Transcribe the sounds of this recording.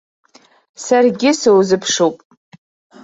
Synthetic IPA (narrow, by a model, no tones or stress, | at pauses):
sarɡʲɪsowzɨpʰʂowpʼ